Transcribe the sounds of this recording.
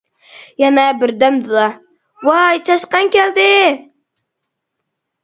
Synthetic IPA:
jɛnɛbɪɾd̪æmd̪ɨlˠɑ | wɑjt͡ʃʰɑʃqɑŋkʲæld̪ɪ

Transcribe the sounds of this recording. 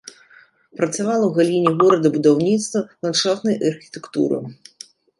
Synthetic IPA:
pɾɐt̪sʲavalˠɐwɣalʲinʲiɣuɾɐd̪ɐbud̪awnʲit̪st̪vɐlˠanʂawt̪nɐjʔɐrxʲi̥t̪ɛkt̪ṵɾɨ̰

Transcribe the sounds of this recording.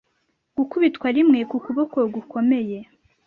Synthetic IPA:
ɡ̥ukuβitkwaɾimŋe̞kukuβokoɡuko̞me̞je̞

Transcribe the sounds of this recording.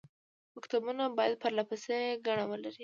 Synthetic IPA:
ʊkt̪abunabɑjad̪̚pəɾlapəseɡaɳawəlaɾi

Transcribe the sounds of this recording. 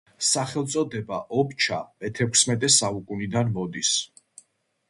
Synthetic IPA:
saχɛlˠt̪sʼɔd̪ɛbaʔɔbt͡ʃʰa̰mɛt̪ʰɛkʰsmɛt̪ʼɛsaukʼunid̪anmɔd̪is

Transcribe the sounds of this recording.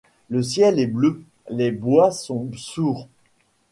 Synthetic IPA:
ləsjɛlɛblø | lebwasɔ̃suːʁ

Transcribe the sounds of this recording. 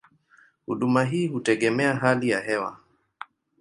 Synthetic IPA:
huɗumaɦiːhutɛɠɛmɛaɦalijaɦɛwa̰

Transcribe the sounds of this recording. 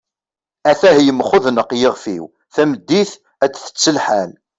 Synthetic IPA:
æθæɦjəmχʊðnəqjəʁfḭw | θæməd̪ːiθ | æt͡sːθə̥t͡sːəlħæn

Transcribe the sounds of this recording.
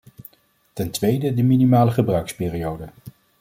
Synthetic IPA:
tɛntʋejdədəminimaːləχəbrœɥkspɪːriowdə

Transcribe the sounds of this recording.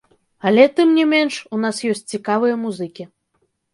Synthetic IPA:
ɐlʲɛt̪ɨmnʲɛmʲɛnʂunasjɔsʲt͡sʲt͡sʲikavɨjɐmuzɨkʲi

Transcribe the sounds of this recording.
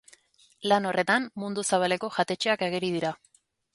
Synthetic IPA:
lano̞re̞t̪ammund̪usaβ̞ale̞ko̞ʝat̪e̞t͡ʃeakeɣ̞eɾiðiɾa

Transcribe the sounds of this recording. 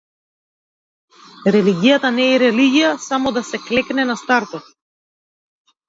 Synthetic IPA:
ɾɛliɡʲijat̪anɛːɾɛliɡʲijasamɔd̪asɛklɛknɛnast̪aɾt̪ɔt̪

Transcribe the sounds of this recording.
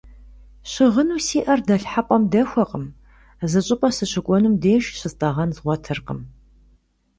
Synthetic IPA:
ɕɪʁənuːsiːʔɐrdɐɬħapʼɐmdɐxʷɔqʼəm | zɨɕʼɪpʼɐsɨɕɪkʷʼɔnumdeːʃɕɪztʼɐʁɐnzʁʷɔtʰɨrqə̰m

